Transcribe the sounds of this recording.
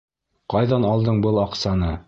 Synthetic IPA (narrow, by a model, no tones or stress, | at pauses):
qɑjðɑnɑlˠd̪ɤɴbɤlˠɑqsɑnɤ